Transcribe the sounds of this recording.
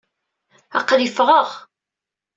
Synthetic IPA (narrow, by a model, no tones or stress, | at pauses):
ɑ̰qlifʁəʁ